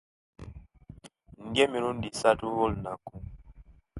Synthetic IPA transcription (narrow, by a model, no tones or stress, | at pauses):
ŋɡɛmiɾundisatuwolnaku